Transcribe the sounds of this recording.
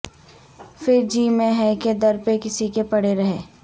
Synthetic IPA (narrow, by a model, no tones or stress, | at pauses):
fɪɾd͡ʒiːmẽɦɛked̪ɐɾpekɪsikepɐɽeɾɐɦeː